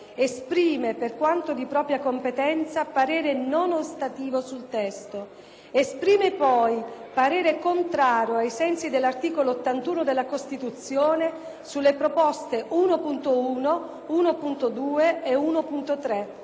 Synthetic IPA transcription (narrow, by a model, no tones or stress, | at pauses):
espɾiːmeperkwant̪od̪ipɾɔːpɾjakompet̪ɛnt̪sapaɾeːɾenonost̪at̪iːvosult̪ɛst̪o | espɾiːmepɔjpaɾeːɾekont̪ɾaːɾjoajsɛnsid̪elːart̪iːkoloːt̪ːant̪uːnod̪elːakost̪it̪ut̪sːjoːne | sulːepɾopɔst̪eʔuːnopunt̪ouːno | uːnopunt̪od̪uːeːuːnopunt̪ot̪ɾe